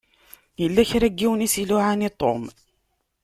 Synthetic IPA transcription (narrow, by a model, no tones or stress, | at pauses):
jəlːæçɾæɡːiwnisilʊʕanit̪ˤːo̰m